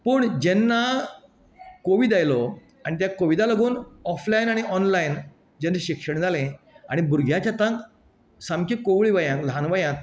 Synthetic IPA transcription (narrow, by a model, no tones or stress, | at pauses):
pəːɳd͡ʑɛnːa | koʋid̪ajlɔ | aɽ̃it̪̬jakoʋid̪aləɡuːnɔflainaɽ̃iʔɔnlain | d͡ʑenːeɕikʂəɳd͡zʱalẽ | a̰ɽ̃ibuɾɡʱjat͡ɕat̪ãŋk | samkikoʋɭiʋəjãklanʋəjãk